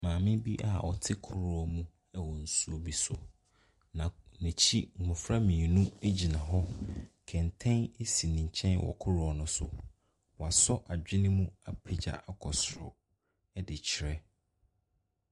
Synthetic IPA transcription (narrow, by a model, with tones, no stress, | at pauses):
mãː˨mɪ̃˦bi˦ʔa̰˨ɔ˨tʰɪ˦kʰʊ˦ɾɔ˨mũ˦ | ɛ˨wɔ̃˨n̩˨su˦o˦bi˦sʊ˨ | nã˨nɛ˨t͡ɕʰi˦ŋ̩˨ŋʊ̃˨fɾa˦mĩ˨nũ˦e˦d͡ʑi˨nã˨ɦɔ˦kʰɛ̃˨n˨tʰɛ̃˦ne˦si˨nɪ̃˨ɲ̩˨t͡ɕʰɛ̃˦nwɔ̰˨kʰʊ˦ɾɔ˨nʊ̃˦sʊ̰˨ | wɔ˨a˨sɔ˦ʔa˨d͡ʑᶣɪ˦nɪ̃˦mũ˦a˨pʰe˦d͡ʑa̰˨ʔa˨kʰɔ˨sɾɔ̰˨ | ɛ˦dɪ˨t͡ɕʰɪ˨ɾɛ˦